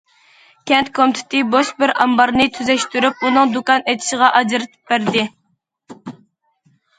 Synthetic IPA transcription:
kʲʰɛnt̪kʰomt̪ʰɪ̥t̪ɨboʃbɪɾɑmbɑɾnɨt̪ʰyzɛʃt̪yɾyp̚unɨŋd̪ukɑnet̪ʰɪ̥ʃɪʁɑʔɑd͡ʒɨɾɨt̪ʰɨ̥p̚bæɾd̪ɪ

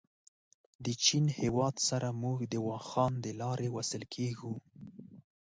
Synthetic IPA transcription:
d̪ət͡ʃinhewɑd̪saɾamuɡd̪əwɑxɑnd̪əlɑɾʔewasəlkʰeɡu

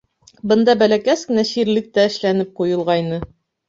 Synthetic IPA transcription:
bɤ̆nd̪ɑbælækæskɘ̆næɕiɾlɘk̚t̪æɘ̆ʃlænɘp̚qujɤ̆lˠʁɑjnɤ

